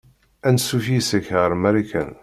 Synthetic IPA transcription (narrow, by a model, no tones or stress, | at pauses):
ænsufisəçʁəɾmæɾikæ̰n